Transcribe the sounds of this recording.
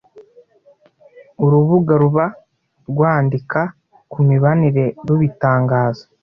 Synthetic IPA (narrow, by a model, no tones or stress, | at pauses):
uɾuβuɡaɾuβa | ɾɡwaːndika | kumiβaniɾe̞ɾuβitaːŋɡaːzḁ